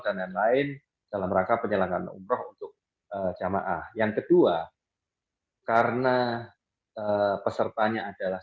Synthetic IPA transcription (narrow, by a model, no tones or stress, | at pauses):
dananlaɪn | d̥alaməɾakapəɲəlaŋanṵmɾɔɦunt̪ʊk̚ | əd͡ʒama̰ʔahjaŋkədua | kaɾəna | əpəsərt̪aɲaːd̥ala